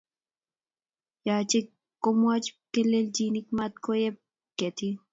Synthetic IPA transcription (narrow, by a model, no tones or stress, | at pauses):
jaːt͡ʃe | komuɐt͡ʃkeleld͡ʒiːnikmat̪̚kʰojep̚ | ket̪ʰi